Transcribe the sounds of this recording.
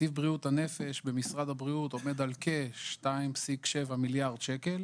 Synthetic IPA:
ivbʁiut̪hane̞fe̞ʃbe̞misʁad̪habʁiut̪o̞med̪alkeʃtaimpsikʃe̞vamiljaʁd̪̥ʃeke̞l

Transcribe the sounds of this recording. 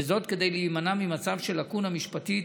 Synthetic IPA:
ezo̞t̪ke̞d̪ejliimanamimat͡savʃe̞lakunhamiʃpati

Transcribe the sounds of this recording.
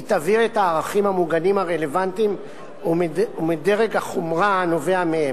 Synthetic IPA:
it̪aviʁetaːʁaχimhamuɡanimaʁe̞le̞vantim | mumideʁeɡaχomʁano̞veamee

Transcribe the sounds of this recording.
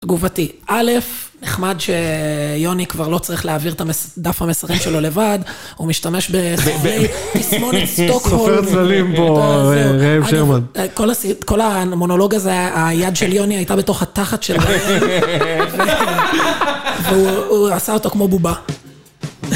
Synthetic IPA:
tɡuvatiʔale̞fneχmadʃe̞jo̞nikvaʁlo̞t͡saʁiχleaːviʁet̪amesdafhamesaʁimʃe̞lo̞le̞vad | umiʃtameʃbeejbismonist̪okhofet̪zalimpoʁeivʃeʁmankolasiko̞lamo̞no̞lo̞ɡazeajadʃeljo̞niajtabe̞to̞χhataχatʃela | ve | veuuasaotokmo̞buba

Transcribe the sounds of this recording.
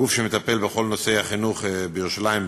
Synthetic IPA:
ufʃemet̪ape̞lbeχo̞lnosehaχinuχbejeʁuʃalaim

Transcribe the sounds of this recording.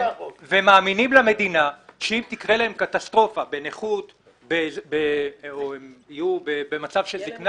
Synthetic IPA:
vemaːminimlame̞d̪inaʃeimt̪ikʁelaemkat̪ast̪ʁo̞fabeneχut̪ | bebeoemijubebe̞mat͡savʃelzikn

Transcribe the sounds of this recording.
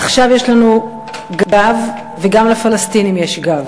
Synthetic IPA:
aχʃavjeʃlanu | ɡavː | eɡamlafalastinimjeʃɡav

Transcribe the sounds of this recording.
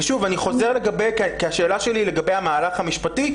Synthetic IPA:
ʃuvaniχo̞ze̞ʁle̞ɡabejkekeaʃe̞ːlaʃe̞lile̞ɡabe̞jamaːlaχhamiʃpati

